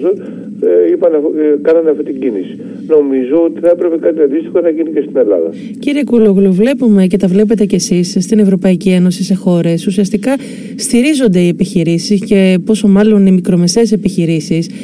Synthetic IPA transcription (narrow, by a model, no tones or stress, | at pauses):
zon | ipɐnkɐnɐneɐft̪it̪iɟinisi̥ | no̞mizo̞ot̪i̥θɐepɾe̞pekɐt̪iɐnd̪ist̪i̥xoθɐʝinice̞st̪ine̞lɐ̰ðɐ̰ | ciɾiekuloɣluvle̞pume̞ce̞t̪ɐvle̞p̬et̪e̞ce̞sisst̪ine̞vɾo̞pɐicieno̞sise̞xo̞ɾe̞susiɐst̪ikɐ | st̪iɾizo̞nd̪e̞ie̞piçiɾisisce̞po̞so̞mɐlo̞nimikɾo̞me̞se̞ːse̞piçiɾisis